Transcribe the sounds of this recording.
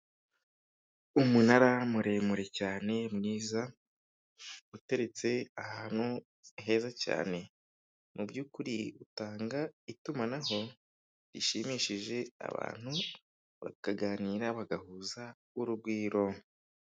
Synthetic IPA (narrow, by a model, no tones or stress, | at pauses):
umunaɾamuɾe̞muɾe̞caːne̞mŋiːza | ute̞ɾe̞t͡se̞ahaːn̥hu | ɦe̞ːzaca̰ːne̞ | mubjuːkuɾiutaːŋɡaitumanaɦo̞ | ɾiʃimiʃiʒe̞a̰βa̰ːn̥hu | βa̰kaɡaːniːɾaβaɡahuza | uɾubɡwiːɾo̞